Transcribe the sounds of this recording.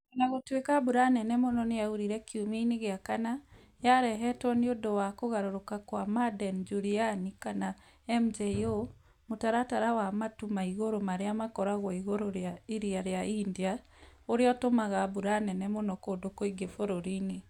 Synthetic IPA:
ɔnaɣotwekabuɾanɛnɛmonɔnejauɾiɾɛkjumiineɣeakana | jaɾɛɦɛtɔniodowakoɣaɾoɾokakwamadɛnd͡ʒuɾianikana | ɛmd͡ʒɛo | motaɾataɾawamatumaiɣoɾomaɾeamakɔɾaɣwaiɣoɾoɾjaiɾiaɾeaiːndia | oɾeɔtomaɣabuɾanɛnɛmonɔkoːdokoiɡefoɾoɾine

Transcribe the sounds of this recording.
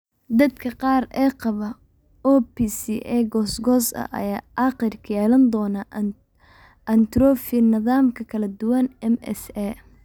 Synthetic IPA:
d̪ɐd̪kʰɐqɑːrɛːqɑβɐ | ɔːpisiʔɛːɡɔːsɡɔːsɐ̰ʔɐ̰jaːʔɑqɪrkʰɐjɛːlɐnd̪ɔːnɐ | ʔɐnt̪ɾɔːfɪnɪðaːmkʰɐkʰɐlɐd̪ʊwɐnɛmɛ̰sɛ

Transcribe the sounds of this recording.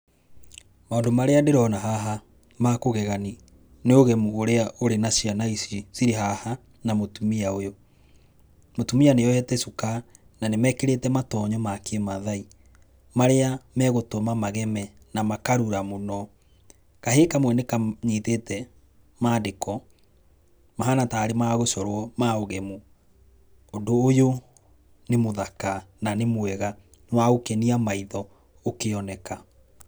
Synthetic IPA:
maondomaɾeandeɾɔnaɦaɦa | makoɣɛɣani | neoɣɛmuoɾeaʔoɾenasianaisisiɾeɦaha | namotumiaojo | motumianejɔhɛtɛsuka | nanemɛkeɾetɛmatɔɲɔmakemaðai | maɾeamɛɣotomamaɣɛmɛ | namakaɾuɾamonɔ | kaɦekamwɛnekaɲiːtetɛ | maːdekɔ | maɦanataːɾemaɣosɔɾwɔmaoɣemu | ondoːjo | nemoðakananemwɛɣa | nwaokɛniamaiðɔ | okeɔnɛka

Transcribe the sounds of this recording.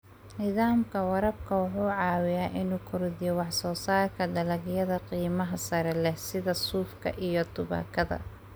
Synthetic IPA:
nɪðaːmkʰɐwɐɾɐb̚kʰɐwʊħuːʕɑːwɪjaːʔɪnuːkʰʊɾðɪjɔwɑħsɔːsaːrkʰɐɖɐlɐɣjɐðɐqiːmɐɦɐsɐɾɛlɛhsɪðɐsuːfkʰɐ̰ʔijɞt̪ʰʊβa̰ːkʰɐðɐ̰

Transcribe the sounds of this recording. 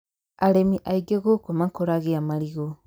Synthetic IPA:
aɾemiʔaiɡeɣokomakoɾaɣeamaɾiɣo

